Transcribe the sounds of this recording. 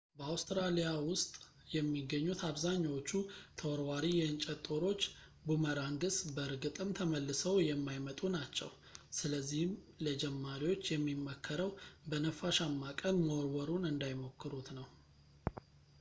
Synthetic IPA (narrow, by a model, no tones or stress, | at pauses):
bəawst̪ɾalijawʊst̪ʼ | jɛmːiɡːəɲːut̪ʰaβzaɲːawot͡ʃːut̪ʰəwɔɾwaɾijɛɨnt͡ʃʼɛt̪ʼːo̞ɾo̞t͡ʃː | buməɾaŋɡɨsbəɨɾɡɨt̪ʼɨmt̪ʰəməlːɨsəwjɛmːajmət̪ʼunat͡ʃːɛ̰w | sɨləzːihɨm | ləd͡ʒɛmːaɾiwo̞t͡ʃːjɛmːimːəkʰːəɾəwbənəfaʃamːakʼəlmoɾwəɾunɨnd̪ajmo̞kːɨɾut̪nəw